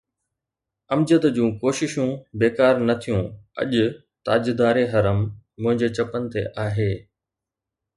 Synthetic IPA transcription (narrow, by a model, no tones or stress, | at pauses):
ɐmd͡ʑət̪d͡ʑũːkoːʃɪʃũbeːkaːɾnɐt̪ʰijũɐ̰ʄʊ | t̪aːd͡ʑd̪aːɾeɦɐɾəmːʊ̃ɦɪ̃ɲd͡ʑet͡ɕɐpənɪ̆t̪ḛʔaːɦeː